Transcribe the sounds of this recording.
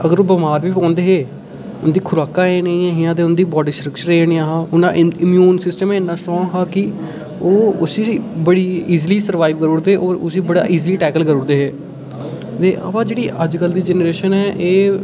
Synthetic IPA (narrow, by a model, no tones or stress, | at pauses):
əɡəɾoːbəmaːɾʋiːpɔ̃ːnd̪eːɦeː | ʊnd̪iːkʰʊɾaːkãːeːneĩːɛ̃ːɦɪjãːt̪̬eːʊnd̪iːbɔːɖiːsʈɾəkʃəɾeːneãːɦãːʊnãːʔɪmjuːnsɪsʈəmɛ̃ːɪnːãːsʈɔːɦaːkɪ | oːʊsiːbəɽiːiːzliːsəɾʋaːɪʋkəɾoːɽd̪eːʔoːɾʊsiːbəɽa̰ːʔiːzliːʈɛːkəlkəɾoːɾd̪eːɦeː | t̪eːʔə̰ʋãːd͡ʒeːɽiːʔəd͡ʒkəld̪iːd͡ʒɛːnɾeːʃənɛːʔeː